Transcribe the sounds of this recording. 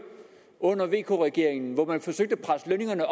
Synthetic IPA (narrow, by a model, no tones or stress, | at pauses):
ɔ̽n̰ɐʋe̝̰ːkʰo̝̰ʁɛɡ̥e̝ɐ̰eŋn̩ʋɒmænfɒ̽søɡ̥̚d̥əpʰʁasløne̝ŋɐnəʔ